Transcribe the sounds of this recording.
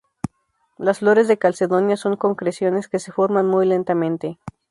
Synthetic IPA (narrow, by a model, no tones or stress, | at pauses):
lasflo̞ɾe̞zðe̞kalse̞ðo̞njaso̞ŋko̞ŋkɾesjo̞ne̞ske̞se̞fo̞ɾmanmujle̞nt̪amẽ̞nt̪e̞